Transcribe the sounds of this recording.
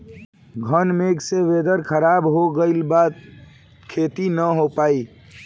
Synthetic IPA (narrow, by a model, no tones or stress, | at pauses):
ɡʱənmeɡseʋed̪əɾkʰəɾabɦoɡəɪlbat̪ | kʰet̪inəɦopai